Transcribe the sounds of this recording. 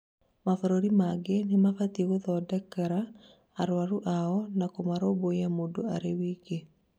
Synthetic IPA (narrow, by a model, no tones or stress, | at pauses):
mafɔɾoɾimaɡenɪmafat̪ewoðɔdɛkːaɾaː | ɾwaɾuʔaɔnakomaɾobojamodoa̰ɾewiɡe